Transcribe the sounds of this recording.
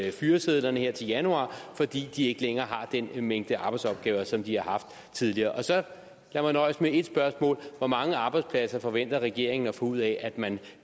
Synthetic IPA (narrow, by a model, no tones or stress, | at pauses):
fyːɐseð̞ˠlɐnəɦeɐ̰t͡sʰe̝ljænuɑ̰̈ːfɒ̽d̥ḭːd̥ie̝ɡ̥əleŋɐːɦɑ̈d̥enmeŋ̰d̥əɑ̈ːb̥ɑ̈ɪd̥sɒ̽b̥̚ɡ̥ɛːʊɐsɒ̽md̥ihɑ̈ɦɑ̈fd̥ | t͡sʰið̞ˠliɐːʔɒ̽sɒ̽ | læɐmænːɒɪsmee̝d̥sb̥ɶɐsmɔ̰ːlʋɒmɑ̈ŋəɑ̈b̥ɑ̈ɪdspʰlæsɐfɒ̽ʋen̰d̥ɐʁɛɡ̥e̝ɐ̰eŋn̩ɒfɒ̽uð̞̰ˠɛʔæd̥mæn